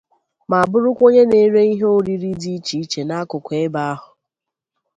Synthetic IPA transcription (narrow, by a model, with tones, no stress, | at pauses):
ma˨a˨bʊ˦ɾʊ˦kʷo˦ɲe˦ne˨˦ɾe˦i˦ɦo˦ɾi˦ɾi˦di˦t͡ʃi˨˦t͡ʃe˨na˦kʊ˨kʷe˦ba˦a˦ɦʊ˨